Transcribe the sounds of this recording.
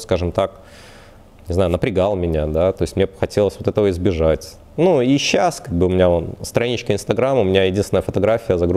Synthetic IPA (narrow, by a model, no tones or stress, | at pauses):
skaʐɨmt̪ak | nʲɪznajʊnəpɾʲɪɡalˠmʲɪnʲad̪at̪o̞ɪstʲmnʲexɐtʲelˠəsʲvot̪ɛt̪əvəɪzbʲɪʐatʲ | nuiɕːaskaɡ̚bɨʊmʲɪnʲaonst̪ɾɐjinʲɪt͡ɕkʲɪnst̪ɐɡɾamʊmʲɪnʲajɪdʲinst̪ʲɪnəjəfət̪ɐɡɾafʲɪjəzɐɡɾ